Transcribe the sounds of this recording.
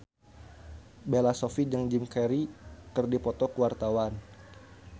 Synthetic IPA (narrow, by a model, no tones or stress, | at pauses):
belasofid͡ʒaŋd͡ʒimkɛɾikɨrdipɔt̪ɔkəwart̪awan